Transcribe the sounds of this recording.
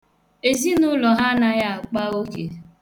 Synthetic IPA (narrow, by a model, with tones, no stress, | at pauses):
e˨zi˦nʊ˦lɔ˨ɦa˦na˦ja˦a˨k͡pa˦o˦kḛ˨